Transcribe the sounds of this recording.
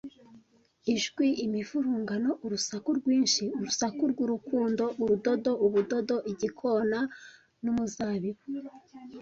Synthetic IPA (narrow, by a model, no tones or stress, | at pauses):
iʒɡwiʔimifuɾuːŋɡano̞ʔuɾusakuɾɡwiːnʃiuɾusakuɾɡuɾukuːndo̞ʔuɾudo̞do̞ʔuβudo̞do̞ʔiɟikʰo̞na | numuzaːβiwe